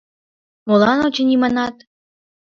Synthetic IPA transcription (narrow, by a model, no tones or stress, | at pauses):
molɑnot͡ɕĕnʲimɑnɑt̪